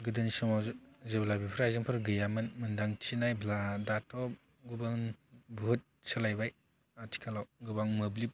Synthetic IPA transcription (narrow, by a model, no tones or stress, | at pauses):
ɡɯdɯnisɔmazeblabipʰɾajzɯŋpʰɯɾɡɯjamɯnmɯndaŋt͡ʃʰinajbladatʰɔ | ɡɯbaŋbuɦɯt̚sɯlajbaj | atʰi̥kʰalawɡɯbaŋmɯblip̚